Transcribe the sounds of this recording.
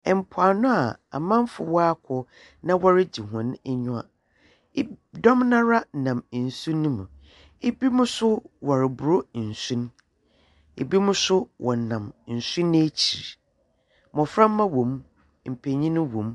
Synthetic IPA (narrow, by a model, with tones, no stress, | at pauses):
ɛ˨m̩˨pʰʊ˨a˨nʊ̃˦a˨a̰˨mã˦m˦fʊ˨wɔ˦a˦kʰɔ˨ | nã˦wɔ˦ɾɪ˦d͡ʑi˨ɦʊ̃˨n˦ɛ˦ɲʊ̃˦a̰˨˦ | dɔ̃˦mnã˦ɾa˦˨nã˨m˨n̩˨sũ˦nũ˦mũ˨ | ɪ˦bi˦mʊ̃˦sʊ˦wɔ˨ɾɪ˨bʊ˨ɾo˦˨n̩˨sũ˦n˦ | e˨bi˦mʊ̃˦sʊ˦wʔɔ˨n˨nã˨m˨n̩˨sũ˦nː˦t͡ɕʰi˨ɾ | mɔ̃˨fɾã˦m̩ː˦ã˦wõ˨m | m̩˨pʰe˨ɲĩ˦nʊ̃˦wõ˨m